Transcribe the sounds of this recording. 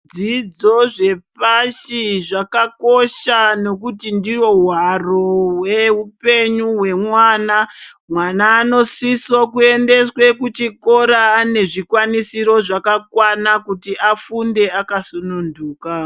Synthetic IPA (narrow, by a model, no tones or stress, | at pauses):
d͡zid͡zo̞ʐe̞paʃiʐakako̞ʃano̞kutindiwo̞waroweupe̞ɲuɦwe̞mwaːna | mwanaːno̞sisokue̞nde̞swe̞kut͡ʃiko̞ɾaːne̞ʐikwanisiɾo̞ʐakakwanakutiʔafunde̞akasununduːka